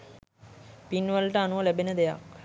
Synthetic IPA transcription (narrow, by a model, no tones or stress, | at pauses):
pinʋəlʈəanuʋəlæbenəd̪eja̰k